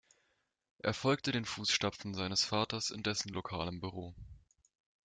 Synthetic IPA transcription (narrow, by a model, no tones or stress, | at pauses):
ʔḛːɐfɔlk̚tədeːnfuːsʃtafn̩zaɪnəsfaːtɐsɪ̰ndɛsn̩lokʰaːləmbyʁ̞oː